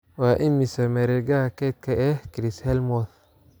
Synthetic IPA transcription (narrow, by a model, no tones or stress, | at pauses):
waʔɪmːɪsɐmɛɾɛɡakɛt̪̚kʰɐʔɛhkɾishɛlmɔθ